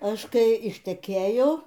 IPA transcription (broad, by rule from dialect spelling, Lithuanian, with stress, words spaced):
ˈɐʃ ˈkɐɪ ɪʃʲtʲɛˈkʲeːjoː